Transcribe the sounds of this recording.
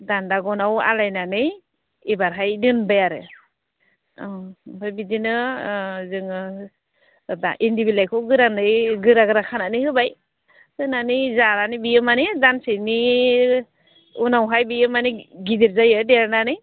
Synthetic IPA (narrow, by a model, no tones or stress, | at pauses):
dandaɡɔnawa̰lajnanɯ | ibaɾɦajdɯnbajaɾɯ | bajbidinɯ | zɯŋɯ | daʔindibilajkʰɔɡɯɾanɯjɡɯɾaɡɯɾakʰananihɯbaj | sɯnanizaɾanibijɯmanidansini | unawɦajbijɯmaniɡidiɾzajɯdeɾnanɯj